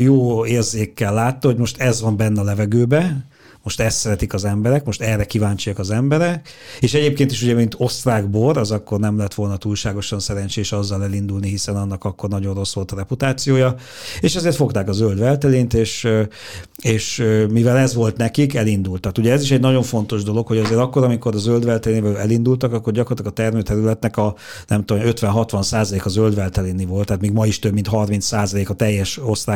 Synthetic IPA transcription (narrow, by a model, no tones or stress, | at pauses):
joːeːrzeːkːɛlːaːt̪ːɒho̞ɟmo̞ʃt̪ɛzʋɒmbɛnːɛlɛvɛɡøːbɛ | mo̞ʃt̪ɛst̪sɛɾɛt̪ikɒzɛmbɛɾɛkmo̞ʃt̪ɛrːɛkivaːɲt͡ʃijɒkɒzɛmbɛɾɛk | eːʃɛɟeːp̚keːnt̪iʃuɟɛmint̪o̞st̪raːɡboɾɒzɒkːo̞rnɛmlɛt̪ʋo̞lnɒt̪uːlʃaːɡo̞ʃɒnsɛɾɛɲt͡ʃeːʃɒzːɒlɛlind̪ulniɦisɛnɒnːɒkɒkːo̞rnɒɟo̞nro̞sʋo̞lt̪ɒɾɛput̪aːt̪sijoːjɒ | eːʃɛzeːrt̪fo̞kt̪aːkɒzøld̪ʋɛlt̪ɛliːnt̪eːʃ | eːʃmivɛlɛzʋo̞lt̪nɛkikɛlind̪ult̪ɒkuɟɛɛziʃɛɟnɒɟo̞ɱfo̞nt̪o̞ʒd̪o̞lo̞kho̞ɟɒzeːɾɒkːo̞ɾɒmiko̞ɾɒzøld̪ʋɛlt̪ɛleːnivɛøɛlind̪ult̪ɒkɒkːo̞rɟɒkɾort̪ɑɡɒt̪ɛrmøːt̪ɛɾylɛt̪nɛkɒ | nɛmt̪omøt̪ʋɛnɦɒt̪ʋɒnsaːzɒleːkɒzøld̪ʋɛlt̪ɛleːnivo̞lt̪haːt̪miːɡmɒiʃt̪øbmint̪ɦɒrmint̪ssaːzɒleːkɒt̪ɛjːɛʃo̞sraː